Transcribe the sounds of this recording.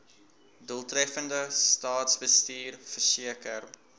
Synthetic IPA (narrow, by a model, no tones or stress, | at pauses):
dəlˠtrɛfəndəstɑːtsbəstiːrfərsiəkər